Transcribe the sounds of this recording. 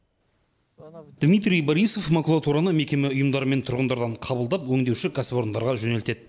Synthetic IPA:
d̪̥mijt̪̬ɾʲijboɾijso̞fmakulˠat̪uɾanəme̞kʲe̞meʊjəmd̪ɑɾəme̞nt̪ʰʊɾʁənd̪ɑɾd̪ɑɴqʰɑbəlˠd̪ɑpwɵŋd̪e̞wʃɪkʰaspo̞ɾənd̪ɑɾʁɑʒɵne̞lt̪e̞d̪̚

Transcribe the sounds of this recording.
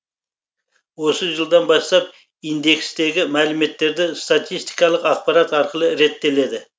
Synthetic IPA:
wo̞səʒəlˠd̪ɑnbɑst̪ɑp | ijnd̪e̞kst̪e̞ɡʲɪmælɪme̞t̪ːe̞ɾd̪ɪst̪at̪ijst̪ijkɑlˠəqɑq̚pɑɾɑt̪ɑɾqəlˠəɾe̞t̪ːe̞le̞d̪ɪ

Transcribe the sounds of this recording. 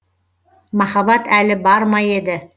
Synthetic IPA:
mɑχɑβɑt̪ʰælɘbɑɾmɑjed̪ɘ

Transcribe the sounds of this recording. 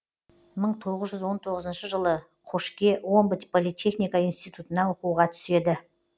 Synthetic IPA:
məɴt̪ʰo̞ʁəzʒʏzwo̞nt̪ʰo̞ʁəzənʃəʒəlˠə | qʰoʃkʲe̞wo̞mbət̪ʲpʰo̞lˠijt̪ʲʰe̞χnijkainst̪ijt̪ut̪ənɑwoquʁɑt̪ʰʏ̥se̞d̪ɪ

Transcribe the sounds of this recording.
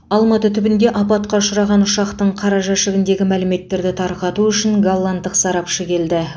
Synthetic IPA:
ɑlˠmɑt̪ət̪ʰʏbɪnd̪e̞ʔɑpɑt̪̚qɑʊʃʊɾɑʁɑnʊʃɑqt̪əɴqʰɑɾɑʒɑʃɪɡʲɪnd̪e̞ɡʲɪmælɪme̞t̪ːe̞ɾd̪ɪt̪ʰɑɾqɑt̪uʏʃɪŋɡolˠːant̪ːəqsɑɾɑpʃəkʲʰe̞ld̪ɪ

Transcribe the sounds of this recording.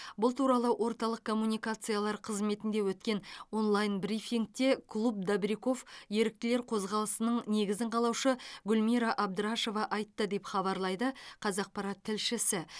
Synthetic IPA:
bʊlˠt̪ʰuɾɑlˠəwʔo̞ɾt̪ɑlˠəq̚kʰːo̞mːunʲijkat̪sɨjalˠɑɾqʰəzme̞t̪ɪnd̪e̞wɵt̪kʲe̞no̞nlˠajnbrifiŋk̚t̪e̞kʰlˠub̚d̪abɾiko̞fje̞ɾɪk̚t̪ɪle̞ɾqʰo̞zʁɑlˠəsənəɴne̞ɡʲɪzɪɴqʰɑlˠɑwʃəɡʲʊlmiɾɑʔɑb̚d̪əɾaʃo̞vɑʔɑjt̪ːəd̪e̞pχɑβɑɾlˠɑjd̪əqʰɑzɑq̚pɑɾɑt̪ʰːɪlʃɪsɪ

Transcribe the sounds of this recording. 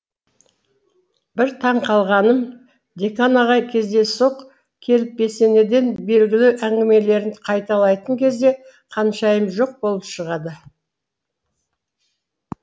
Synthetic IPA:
bɪɾt̪ʰɑɴqʰɑlˠʁɑnəm | d̪e̞kanɑʁɑjkʲʰe̞zd̪e̞so̞q | kʲʰe̞lɪp̚be̞se̞ne̞d̪e̞nbe̞lɡʲɪlɪʔæŋɡʲɪme̞le̞ɾɪŋqʰɑjt̪ɑlˠɑjt̪əɴkʲʰe̞zd̪e̞ | qʰɑnʃɑjəmʒo̞q̚bo̞lˠəpʃəʁɑd̪ə

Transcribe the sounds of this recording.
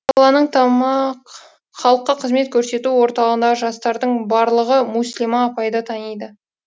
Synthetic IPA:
ɑɑlˠɑnəɴt̪ʰɑmɑq | χɑlˠəqːɑqʰəzme̞t̪̚kʲʰɵɾse̞t̪uwo̞ɾt̪ɑləʁənd̪ɑəʒɑst̪ɑɾd̪əɴbɑɾlˠəʁəmuslimɑːpɑjd̪ət̪ʰɑnijd̪ə

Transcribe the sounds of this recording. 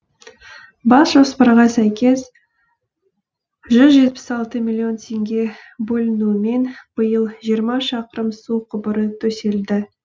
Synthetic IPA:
bɑsʒo̞spəɾʁɑsæjkʲe̞s | ʒʏzʒe̞t̪̚pɪ̥sɑlˠt̪əmʲilʲio̞nt̪ʰe̞ŋɡʲe̞ | bɵlɪnume̞nb̥əjəlˠʒijəɾmɑʃɑqəɾəmsuqʰʊbəɾət̪ʰɵse̞ld̪ɪ

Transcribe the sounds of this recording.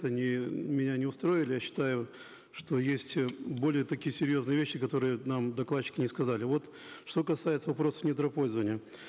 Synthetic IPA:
t̪ɐnʲɪmʲɪnʲanʲɪʊst̪ɾo̞ɪlʲɪjaɕːɪ̥t̪ajʊ | ʂt̪o̞jesʲtʲbo̞lʲɪjət̪ɐkʲijəsʲɪɾʲjo̞znɨjəvʲeɕːɪkɐt̪o̞ɾɨjənamd̪ɐklˠaɕːɪ̥kʲɪnʲɪskɐzalʲɪvo̞t̪ | ʂt̪o̞kɐsajɪt̪səvɐpɾo̞sə̥fnʲɪt̪ɾɐpo̞lʲzəvənʲɪjə

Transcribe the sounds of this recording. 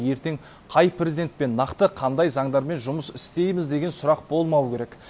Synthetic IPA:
je̞ɾt̪e̞ŋ | qʰɑjprʲezid̪et̪̚pe̞nːɑqt̪əqʰɑnd̪ɑjzɑŋd̪ɑɾme̞nʒʊməsɪst̪e̞jmɪzd̪e̞ɡʲe̞nsʊɾɑqbo̞lˠmɑwəkʲʰe̞ɾek

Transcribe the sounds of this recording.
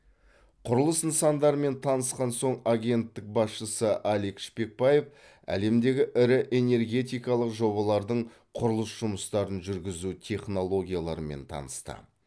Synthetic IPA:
qʰʊɾəlˠəsənsɑnd̪ɑɾəme̞nt̪ʰɑnəsqɑnso̞ɴaɡʲe̞nt̪ːɪk̚bɑsʃəsəʔɑlikʃpe̞k̚bɑje̞f | æ̰le̞md̪e̞ɡʲɪʔɪɾɪʔe̞ne̞ɾɡʲe̞t̪ʲijkɑlˠəqʒo̞bɑlˠɑɾd̪əɴ | qʰʊɾəlˠəsʒ̥ʊməst̪ɑɾənʒʏɾɡʲɪzut̪ʲʰe̞χno̞lˠo̞ɡʲijalˠɑɾəme̞̰nt̪ʰɑ̰nəst̪ə̰

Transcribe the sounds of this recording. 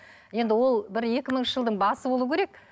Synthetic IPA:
je̞nd̪ɪwo̞lˠbɪɾe̞kʲɪməɴʃəʒəlˠd̪əɴbɑsəbo̞lˠukʲʰeɾek̚

